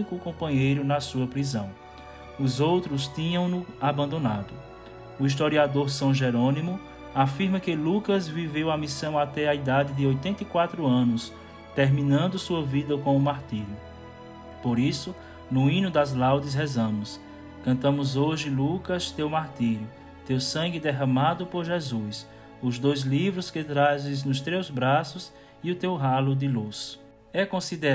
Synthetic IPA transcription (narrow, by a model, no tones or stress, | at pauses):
ikʊkõmpɐ̃ɲejɾʊnɐsuɐpɾizɐ̃w̃ | ʊzowt̪ɾʊst̪ĩɲɐ̃w̃nʊabɐ̃nd̪onad̪ʊ | uis̬t̪oɾiad̪oɾsɐ̃w̃ʒeɾõnimʊ | afiɾmɐkɪlukɐzvivewamisɐ̃w̃at̪ɛaid̪ad̪ɪd̪ɪojt̪ẽnt̪ɐikwat̪ɾʊɐ̃nʊs | t̪eɾmĩnɐ̃nd̪ʊsuɐvid̪ɐkõʊmaɾt̪iɾjʊ | poɾisʊ | nʊĩnʊd̪ɐzlawd̪ɪs̬ɦɛzɐ̃mʊs | kɐ̃nt̪ɐ̃mʊzoʒɪlukɐst̪ewmaɾt̪iɾjʊ | t̪ewsɐ̃ŋɡɪd̪ɛɦɐ̃mad̪ʊpoɾʒezus | ʊzd̪ojzlivɾʊskɪt̪ɾazɪznʊst̪ɾewzbɾasʊs | iʊt̪ewɦalʊd̪ɪlus | ɛkõsid̪e